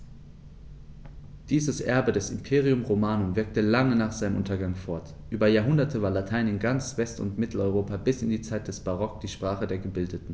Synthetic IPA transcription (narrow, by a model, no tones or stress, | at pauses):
d̥iːzəsʔɛɐbədɛsɪmpʰeːʁiʊmʁomaːnonvɪɐk̚təlaŋənaːχz̥aɪnəmʔʊ̰ntɐɡaŋfɔɐt | ʔyːbɐjaːɐɦʊndɐtʰəvaːɐlatʰaɪnɪnɡant͡sv̥ɛstʊ̰ntmɪtl̩ɔʏʁ̞oːpabɪsɪndiːt͡saɪt̚d̥ɛsb̥aʁ̞ɔk̚d̥iːʃpʁ̥aːχədeːɐɡəbɪldətn̩